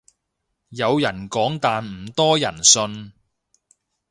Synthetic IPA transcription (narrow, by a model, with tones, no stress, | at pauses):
jɐ˨˧wjɐ˨˩nkɔː˨˥ŋt̪aː˨nm̩˨˩t̪ɔː˥jɐ˨˩nsɵ˧n